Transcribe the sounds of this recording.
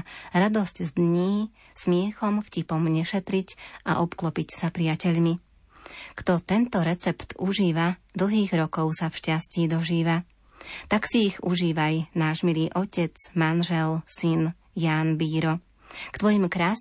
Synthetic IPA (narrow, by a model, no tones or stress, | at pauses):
ɾad̪ɔzczd̪ɲiː | smɪɛxɔmfcipɔmɲɛʃɛt̪ɾicʔa̰ʔɔpklɔpicsapɾiacɛʎmi | kt̪ɔt̪ɛnt̪ɔɾɛt͡sɛpt̪uʒiːʋad̪l̩ˠɦiːɣɾɔkɔʊsafʃcasciːd̪ɔʒiːʋa | t̪aksiːɣuʒiːʋajnaːʒmiliːʔɔcɛt͡smanʒɛlsin | jaːnbiːɾɔ | kt̪ʋɔjimkɾaːs